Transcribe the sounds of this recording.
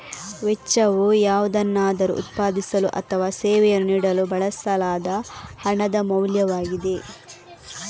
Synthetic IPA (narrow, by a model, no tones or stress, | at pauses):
ʋɛt͡ʃːɐʋujaːʋud̪ɐnːaːd̪ɐɾṵʔṵt̪̚paːd̪isɐluʔɐt̪ʰɐʋaːsɛːʋɛjɐnuniːɽɐlubɐɭɐsɐlaːd̪ɐhɐɳɐd̪ɐmɐwljɐʋaːɡid̪e̞